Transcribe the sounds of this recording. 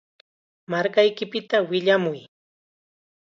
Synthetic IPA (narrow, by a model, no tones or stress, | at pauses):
maɾkajkɪpɪt̪awɪʎamʊj